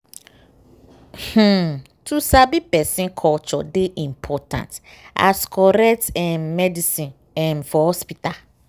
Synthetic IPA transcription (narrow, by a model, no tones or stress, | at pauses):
h̩ | tʰusabipɛsĩnkʰɔlt͡ʃɔ̰deʔĩmpʰɔtʰã̰nta̰skʰɔɾɛk̚tɛ̃nmɛdisĩn | ɛ̃nfɔhɔspita